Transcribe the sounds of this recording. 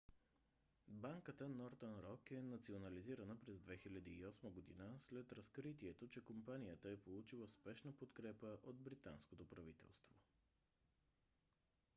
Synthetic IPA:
baŋkət̪ənɔɾt̪ənɾɔkɛnɐt̪sionɐliziɾənəpɾɛzd̪vɛxilʲəd̪iːɔsməɡod̪ḭnəslɛt̪ɾɐskɾit̪iɛt̪ot͡ʃɛkompanijət̪əɛpolˠut͡ʃilˠəspɛʃnəpot̪kɾɛpəʔod̪̚bɾit̪a̰nskot̪opɾɐvit̪ɛ̰lˠst̪vo̰

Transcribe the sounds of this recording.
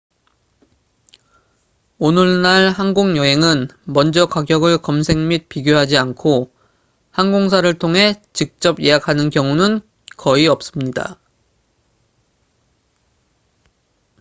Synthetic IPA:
onɯɭnaɭhanɡoŋjʌɦe̞ŋɯnmʌnd͡ʑʌkwaɡjʌɡɯɭkʌmsʰe̞ŋmit̚piɡjoɦad͡ʑiankʰo | hanɡoŋs̬ʰaɾɯɭtʰoŋɦe̞t͡ɕik̚t͡ɕ͈ʌbjeɦakʰanɯnkjʌŋunɯn | kʌiʌp̚s͈ɯmɲida̰

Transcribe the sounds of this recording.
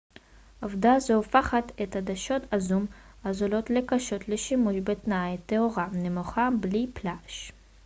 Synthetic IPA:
ʔovd̪azoofaχat̪et̪had̪aʃo̞t̪azum | azolo̞t̪le̞kaʃo̞t̪leʃimuʃbet̪najt̪eoʁanemoχabliplaʃ

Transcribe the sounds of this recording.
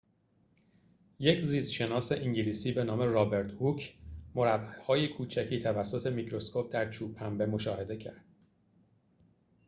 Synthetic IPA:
je̞cʰziːsʃe̞nɒːse̞ʔiŋɟiliːsiːbe̞nɒːme̞ɾɒːbe̞ɾt̪ʰhucʰmo̞ɾæbæhɒːjekʰuːt͡ʃʰæcʰiːt̪ʰævæsːo̞t̪ʰe̞micɾo̞skʰo̞p̚d̪æɾt͡ʃʰuːbhæmbe̞mo̞ʃɒːhe̞d̪e̞cʰæɾd̪̥

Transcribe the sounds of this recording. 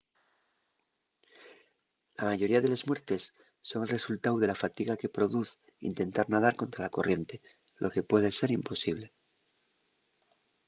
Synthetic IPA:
lamaʝo̞ɾiaðe̞lazmwe̞ɾt̪e̞sː | o̞ŋe̞lre̞sult̪awðe̞lafat̪iɣake̞pɾo̞ðuθ | ḭnt̪e̞nt̪aɾnað̞aɾko̞nt̪ɾalako̞rʔje̞nt̪e̞ | lʔo̞ke̞pwe̞ðe̞se̞ɾimpo̞siβ̞le̞

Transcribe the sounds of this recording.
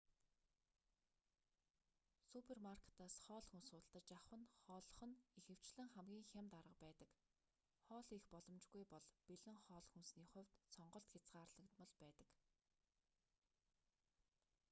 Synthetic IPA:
supʰermarkʰe̥t̪aːsχɔːɮxunsʊːt̪ɬt̪ə̆t͡ɕaχwə̆nχɔːɮɞ̆χə̆nixɘ̆w̥t͡ɕɮɘ̆ŋχæmɡʲiːŋxʲamt̪aɾə̆q̚pæːt̪ə̆k | χɔːɮixpɔɮɞ̆mt͡ɕɡujpɔɮpeɮɘ̆ŋχɔːɮxunsniːχʊ̟wʲt̪sɔɴɢɞ̆ɬt̪xʲat͡sɢaːrɮə̆kt̪mɞ̆ɮpæːt̪ə̥̆k

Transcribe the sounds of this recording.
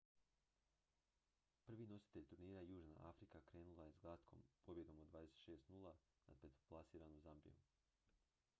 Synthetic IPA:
pr̩ʋino̞si̥t̪e̞ʎʲt̪uɾniːɾajuːʒna̰ʔafɾikakɾe̞ːnulˠajezɡlˠat̪kʰo̰mpo̞bje̞d̪o̞mod̪d̪ʋaːd̪eset̪ʃe̞ːst̪nuːlˠa | na̰pet̪oplˠasiːɾanozambḭjo̰m

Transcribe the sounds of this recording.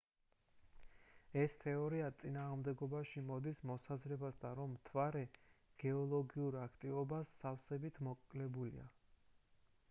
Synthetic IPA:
ɛst̪ʰɛɔɾiat̪sʼinaːʁmd̪ɛɡɔbaʃimɔd̪ismɔsazɾɛbasd̪aɾɔmːt̪ʰvaɾɛɡ̥ɛɔlˠɔɡiuɾakʰt̪ʼivɔbasːafsɛbit̪ʰmɔkʼlɛbulḭa̰

